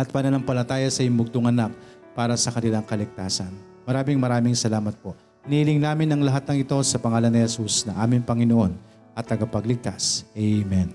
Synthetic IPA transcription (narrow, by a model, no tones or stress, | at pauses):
ʔɐt̪̚pɐnɐnɐŋpɐlɐt̪aːjɐsɐʔjʊŋbʊɡ̚t̪oŋʔɐnak̚ | paːɾɐsɐkɐnɪlaŋkɐlɪk̚t̪aːsɐn | mɐɾaːmɪŋmɐɾaːmɪŋsɐlaːmɐt̪̚po̞ | nilɪŋnaːmɪnɐŋlɐɦat̪̚nɐŋɪt̪o̞sɐpɐŋaːlɐnɪhɛsusnɐŋʔaːmɪŋpɐŋɪno̞ʔo̞n | ʔɐt̪ːɐɡapɐɡlɪɡ̚t̪asʔɛjmɛn